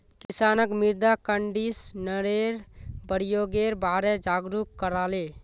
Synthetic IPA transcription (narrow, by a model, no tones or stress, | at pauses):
kɪsaːnəkmɪɾd̪akəɳɖisnəɾeːɾbəɽijoɡeːɾbaːɾɛd͡ʒaːɡɾukkəɾaːleː